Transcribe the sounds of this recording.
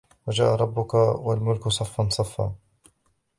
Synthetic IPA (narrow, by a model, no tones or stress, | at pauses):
wad͡ʒaːʔaɾˤɑbːʊkawalmʊlkʊsˤɑfːɑnsˤɑfːa̰ː